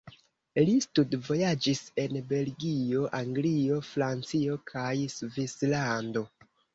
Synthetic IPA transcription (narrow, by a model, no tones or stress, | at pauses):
listudvo̞jad͡ʒise̞nbe̞lɡio̞ʔaŋɡlio̞fɾant͡sio̞kʰajsvislando̞